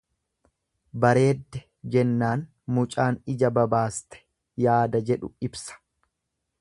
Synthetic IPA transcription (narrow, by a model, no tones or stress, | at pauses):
bɐɾe̞ːd̪ːɛ | d͡ʒɛnːaːn | mʊt͡ʃʼaːnɪd͡ʒɐbɐbaːst̪ɛ̥ | jaːd̪ɐd͡ʒɛᶑʊ̰ɪbsɐ̥